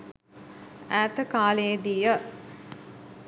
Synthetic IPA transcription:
æːt̪əkaːled̪ijə

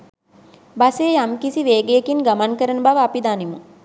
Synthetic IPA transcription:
baseːjamkisiʋeːɡejekinɡamankəɾənəbaʋəapid̪aːnimu

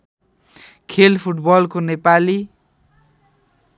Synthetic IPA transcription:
kʰelpʰuʈbʌlkonepali

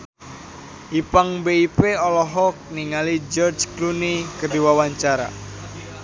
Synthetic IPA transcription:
ʔipaŋbeipeɔlɔɦɔk̚niŋalid͡ʒɔrd͡ʒklunikədiwawaɲt͡ʃaɾa̰

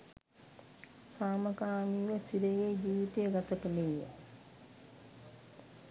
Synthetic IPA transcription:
saːməkaːniːʋəsid̪eɡeːd͡ʒiːʋit̪ejəɡat̪əkənejə

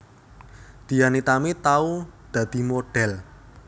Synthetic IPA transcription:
d̪̥i̤janit̪amit̪aud̪̥ä̤d̪̥i̤moɖ̥ɛl

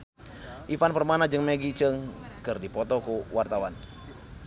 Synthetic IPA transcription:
ʔifanpərmanad͡ʒɨŋmeɡit͡ʃəŋkərdipɔt̪ɔkuwart̪awan

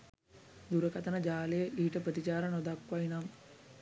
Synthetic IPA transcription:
d̪uɾəkɐt̪ənəd͡ʒaːlejəʔiːʈəpɾət̪it͡ɕaːɾɐnod̪akːʋainam

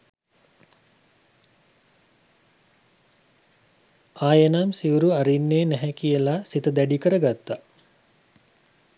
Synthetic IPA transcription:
aːjənaːmsiuɾuaɾinːeːnɛɦɛkijəlasit̪əd̪æɖikəɾəɡat̪ːa

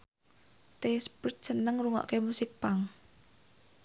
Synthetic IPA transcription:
t̪espit̪̚t͡ʃənəŋruŋɔ̰ʔkemusɪk̚paŋ

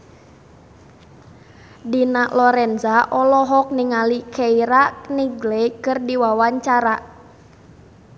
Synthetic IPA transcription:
dinaʔlɔɾɛnzaʔɔlɔɦɔk̚niŋalikʰeiɾaʔniɡlɛkɨrdiwawaɲt͡ʃaɾaʔ

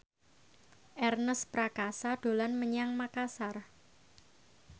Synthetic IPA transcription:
ʔɛrnəspɾakasad̥o̤lanməɲaŋmakasar

